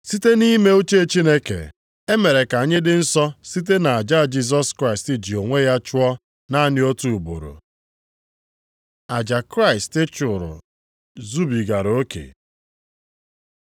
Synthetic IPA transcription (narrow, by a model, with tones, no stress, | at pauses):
si˦te˦ni˦me˦o˦t͡ʃe˦˨t͡ʃi˦ne˦kḛ˨ | e˦me˨ɾe˨ka˨ɲe˦dɪ˦n̩˦sɔ˦si˦t̬e˦na˨a˨d͡ʒa˦˨d͡ʒi˦s̬ɔ˦skɾa˦˨ɪ˨stɪ˦d͡ʒi˨o˨ŋʷe˦ja˦t͡ʃʊ˦ɔ˦ | na˦a˦nɪ˦o˦tu˨u˨bo̰˨ɾo̰˨ | a˨d͡ʒa˨kɾa˦ɪ˨stɪ˦t͡ʃʊ˨ɾʊ̰˨ | zu˦bi˨ɡa˨ɾo˦kḛ˨